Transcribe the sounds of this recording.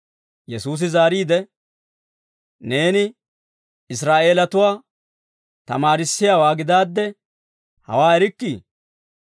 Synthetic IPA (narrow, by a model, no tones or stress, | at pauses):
jɛsuːs̬ɪzaːɾiːd̪ɛ | ne̞ːnɪ | ɪs̬ɾaːʔe̞ːlɐt̪ʊwaː | t̪ɐ̰maːɾɪsːɪjaːwaːɡɪd̪aːd̪ːɛ | hɐ̰waːɛɾɪkːiː